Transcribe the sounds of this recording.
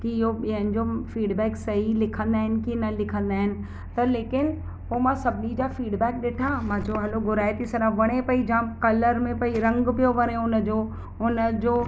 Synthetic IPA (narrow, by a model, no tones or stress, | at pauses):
kiɪɦoɓiɦə̃nɪ̆d͡ʑofiːɖbɛːksɐɦilɪkʰə̃nd̪aːɦɪnɪ̆kinɐlɪkʰə̃nd̪aːɦɪnɪ̆ | t̪ɐleːkɪn | poːmãsɐbʱɪnid͡ʑafiːɖbɛːk̚ɗɪʈʰamãːd͡ʑoɦɐloɡʊɾaːjt̪isɐɾãʋɐɽ̃epɐid͡ʑãkɐləɾmẽpɐiɾɐ̃ŋɡpijoʋɐɽ̃eʊnə̆d͡ʑoː | ʊnə̆d͡ʑoː